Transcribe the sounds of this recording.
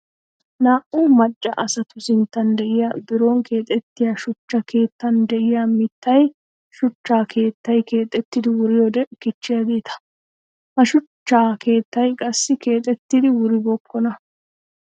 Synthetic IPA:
naːʔʊmɐt͡ʃʼːɐ̰ʔɐsɐt̪ʊsɪnt̪ːɐnd̪ɛʔɪjabɪɾoːŋke̞ːt̪ʼɛt̪ːɪjaːʃʊt͡ʃːɐkʰe̞ːt̪ːɐnd̪ɛʔɪjaːmɪt̪ːɐj | ʃʊt͡ʃːaːkʰe̞ːt̪ːɐjke̞ːt̪ʼːɛt̪ːɪd̪ɪwʊɾɪjoːd̪ɛkɪt͡ʃːɪjaɡeːt̪ʰɐ̥ | hɐʃʊt͡ʃːaːkʰe̞ːt̪ːɐjkʼɐsːɪke̞ːt̪ʼɛt̪ːɪd̪ɪwʊɾɪbɔkʰːɔnɐ

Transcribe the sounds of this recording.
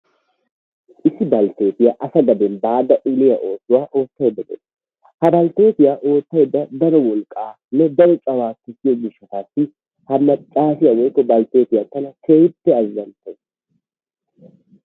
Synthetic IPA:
ʔɪsːɪbɐlt̪e̞ːt̪ɪjɐʔɐsɐɡɐd̪ɛnbaːd̪ɐʔɪlɪjɐʔo̞ːsʊwaːʔo̞ːt̪ːɐjɛd̪ːɐd̪ɛ̰ | hɐbɐlt̪e̞ːt̪ɪjaːʔo̞ːt̪ːɐjd̪ːɐd̪ɐɾɔwɔlkʼaː | nːɛd̪ɐɾɔt͡ʃʼɐwaːkːɛsɪjɔɡɪʃːɐt̪aːsːɪ | hɐmɐt͡ʃʼaːfɪjɐwɔjkːɔbɐlt̪e̞ːt̪ɪjat̪ɐnɐkʰejɪt̪ːɛɐzːɐnt̪ɛ

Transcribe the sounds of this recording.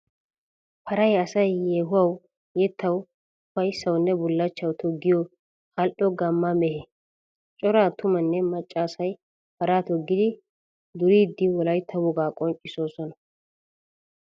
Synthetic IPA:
pʰɐɾɐjɐsɐjjeːɦʊwɐw | jɛt̪ʰːɐw | fɐjsɐwnːɛbʊlːɐt͡ʃːɐwt̪ʰɔɡːɪjo | hɐlʔɔɡɐmːamɛhɛ | t͡ʃʼɔɾaːt̪ʊmɐnːɛmɐt͡ʃʼːaːsɐj | pɐɾaːt̪ɔɡːɪd̪ɪ | d̪ʊɾiːd̪ːɪwɔlɐjt̪ʰɐwʊɡaːkʼɔnt͡ʃʼːɪsoːsɔnɐ

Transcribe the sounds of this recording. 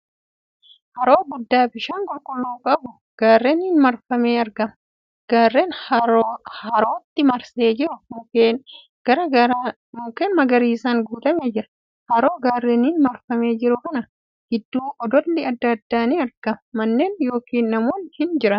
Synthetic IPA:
hɐɾo̞ːɡʊd̪ːaːbɪʃaːŋkʼʊlkʼʊlːuːkʼɐbʊ | ɡ̥aːrːeːnɪnmɐɾfɐme̞ːɐɾɡɐmɐ | ɡ̥aːrːeːn | hɐɾo̞ːt̪ːɪmɐɾseːd͡ʒɪɾʊmʊkeːn | ɡ̥ɐɾɐɐɾ | mʊkemmːɐɡɐɾiːsaːŋɡuːt̪ɐmeːd͡ʒɪɾɐ̥ | hɐɾo̞ːɡaːrːeːnɪnmɐɾfɐme̞ːd͡ʒɪɾʊkɐnɐ | hɪd̪ːuːʔɔd̪ɔlːɪɐd̪ːɐd̪ːaːniɐɾɡ̥ɐmɐmɐnːe̞ːnjo̞ːkiːnːɐmo̞ːnhɪnd͡ʒɪɾɐn

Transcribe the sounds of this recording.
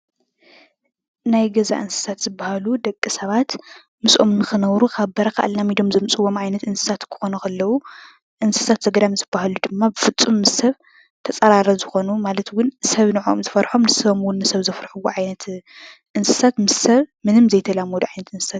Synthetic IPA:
najɡɐza̰ʔɨnsɨ̥sat̪z̥ɨbːahalud̪ɐkʼːɨsɐβat̪ | mɨsʔo̞mnɨxɨnɐwɾukʰaβbɐɾɐkʰa̰ʔlːamid̪o̞mzɐmt͡sʼɨwːo̞mʕajnɐt̪ɨnsɨ̥sat̪kʰɨ̥xo̞nɐkʰɐlːɐwu | ʔɨnsɨ̥sat̪z̥ɐɡɐɾamzɨbːahalud̪ɨmːabɨfɨt͡sʼːumːɨsɐβ | t̪ʰɐt͡sʼɐɾaɾɐzɨxo̞numalɐt̪wʊnsɐβnɨʕoomzɨfɐɾħomnɨsɐβomwʊnːɨsɐβzɐfɾħuwuʕajnɐt̪ | ʔɨnsɨ̥sat̪mɨssɐβmɨnɨmzɐjt̪ʰɐlamod̪uʕajnɐt̪ɨnsɨ̥sat̪

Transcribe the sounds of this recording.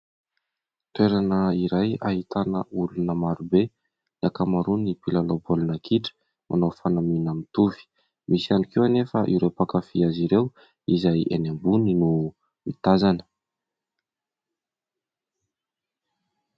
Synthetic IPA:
t̪weɾanəiɾajaɦit̪anəulunəmaɾube | iakamaɾunipilalobolinakʰiʈ͡ʂə̥ | mʔa̰nowfanaminamit̪uvi̥ | misianikewanefəʔiɾewpakafiaziɾew | izajḛnambuninu | mit̪azanə̥

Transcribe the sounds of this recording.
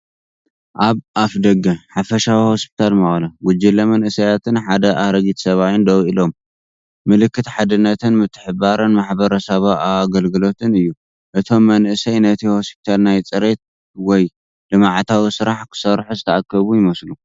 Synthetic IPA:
ʔaβʔafd̪ɐɡɐħafɐʃawihospʰi̥t̪ʰalmɐχʼlɐɡʊd͡ʒɪlːɐmɐnʔɨsɐjat̪ʰɨnħad̪ɐʔaɾɐɡit̪sɐβawɨnd̪ɐwʔilo̞m | mɨlɨkːɨt̪ħad̪ɨnːɐt̪ʰɨnmɨt̪ʰːɨħɨbaɾɐnmaħbɐɾɐsɐβaʔaɡɐlɡɨlo̞t̪ʰɨnɨjːu | ʔɨt̪ʰo̞mːɐnʔɨsɐjnɐt̪ʰihospʰi̥t̪ʰalnajt͡sʼɨɾe̞t̪̚ | wɔj | d̪̥ɨmaʕt̪ʰawisɨɾaħkʰɨ̥sɐɾħuzɨt̪ʰɐʔakːɐβujɪmɐslu

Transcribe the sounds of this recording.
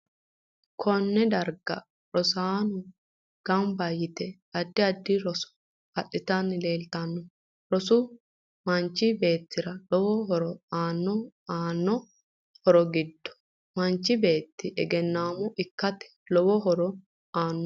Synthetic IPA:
kʰɔnːɛd̪ɐɾɡɐ | ɾɔsaːnʊ | ɡ̥ɐmbɐjɪt̪ɛ | ɐd̪ːɪɐd̪ːɪɾɔsɔ̥ | hɐɗːɪt̪anːɪle̞ːlt̪ɐnːɔ | ɾɔsʊ | mɐnt͡ʃːɪbe̞ːt̪ːɪɾɐlɔwɔɦɔɾɔaːnːɔaːnːɔ | hɔɾɔɡɪd̪ːɔ̥ | mɐnt͡ʃːɪbe̞ːt̪ːɪʔɛɡɛnːaːmɔʔɪkːɐt̪ɛ̥ | lɔwɔɦɔɾɔ | aːnːɔ

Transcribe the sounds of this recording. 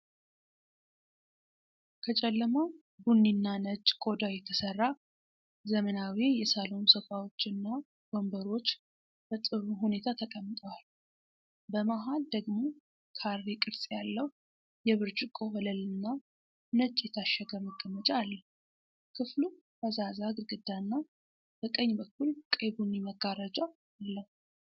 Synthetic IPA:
kʰət͡ʃʼɛlːəməw | bunːinːanəd͡ʒʼkʼo̞d̪ajɛt̪ʰəsərːa | zəmənawijɛsalo̞nsəfʼawo̞t͡ʃːɪnːa | ɡombəɾo̞t͡ʃː | b̥ət̪ʼɨɾuɦune̞t̪ʰat̪ʰəkʼəmːɨt̪ʼəwal | bəmaɦald̪əɡmo̞ | kʰarːekʼɨɾsʼjalːəhu | jɛβɨɾd͡ʒʼɪkʼohələlɨnːa | nɨt͡ʃʼːjɛt̪ʰaʃːɛɡəməɡʼəmːət͡ʃʼalːəh | kʰɨflu | bəzazaɡɨɾɡɨd̪ːanːa | b̥əkʼəɲːbəkʰːulkʼeβuniməɡaɾad͡ʒa | alːəhu

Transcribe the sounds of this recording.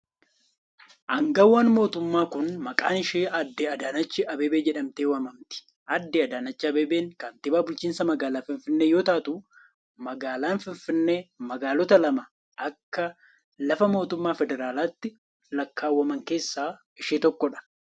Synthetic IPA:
ʔɐŋɡɐwːɐnmo̞ːt̪ʊmːaːkʊnmɐkʼa̰ːnɪʃeːʔɐd̪ːɪɐd̪aːnɐt͡ʃːɪʔɐbeːbeːd͡ʒɛᶑɐmt̪eːwɐmɐmt̪ɪ̥ | ʔɐd̪ːɪɐd̪aːnɐt͡ʃːɪɐbeːbeːŋkɐnt̪ɪbaːbʊlt͡ʃiːnsɐmɐɡaːlaːfɪnfɪnːeːjo̞ːt̪aːt̪u | mɐɡaːlaːnfɪɱfɪnːeːmɐɡaːlɔt̪ɐlɐmɐ | ɐkːɐ | lɐfɐmo̞ːt̪ʊmːaːfɛd̪ɛɾaːlaːt̪ːɪ | lɐkːaːwːɐmɐŋke̞ːsːaː | ɪʃeːt̪ɔkːɔᶑɐ̥

